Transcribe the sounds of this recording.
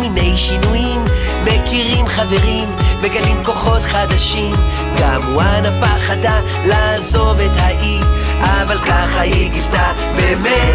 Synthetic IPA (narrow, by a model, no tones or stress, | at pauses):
mine̞jʃinujim | bekiʁimχave̞ʁimbeɡalimko̞χo̞tχad̪aʃim | ɡamuanapaχad̪a | lazo̞vet̪haʔi | ʔavalkaχahiɡilta | beme